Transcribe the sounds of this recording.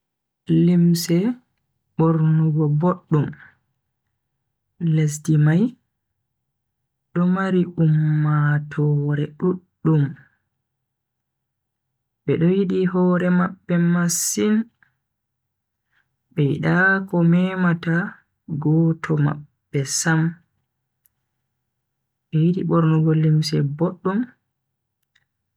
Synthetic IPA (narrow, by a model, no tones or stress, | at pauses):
limsɛ | ɓoɾnuɡɔboɗːum | les̬dimaj | ɗɔmaɾiʔumːatʰɔɾɛɗuɗːum | ɓɛɗɔjiɗihɔːɾɛmaɓːɛmasːin | ɓɛjiɗakɔmɛmata | ɡɔːtʰɔma̰bːɛsam | ɓɛjiɗiɓɔɾnɔɡolːimsɛboɗːum